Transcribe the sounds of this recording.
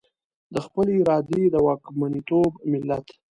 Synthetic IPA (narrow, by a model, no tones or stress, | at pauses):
d̪əxpəleɪɾɑd̪ed̪əwɑkmanit̪obmɪlːat̪